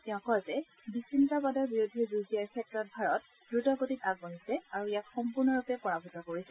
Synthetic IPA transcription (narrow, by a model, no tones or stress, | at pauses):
tɛʊ̃kɔjzɛ | bisintabadɔɹbiɹodʱizuzijaɹsʰɛk̚tɔɹɔt̚bʱaɹɔt̚ | ɡ̥ɹutɔɡotitaɡbonisɛaɹuijatxɔmpuɹnɔɹupɛpɔɹabʱutɔkoɹisɛ